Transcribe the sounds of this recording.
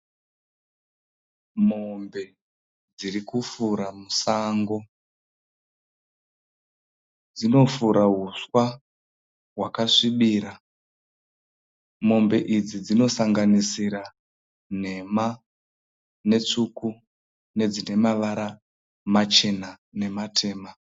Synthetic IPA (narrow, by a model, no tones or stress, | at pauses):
mombe̞ | d͡zirikufuɾamusaŋɡo̞ | d͡zino̞fuɾaɦuswa | wakaʂiɓiːɾa | mo̞mbe̞ʔid͡zid͡zino̞saŋɡanisiɾa | n̤e̞ma | ne̞t͡ʂuku | ne̞d͡zine̞maʋaɾa | mat͡ʃe̞na | ne̞matʰe̞ːma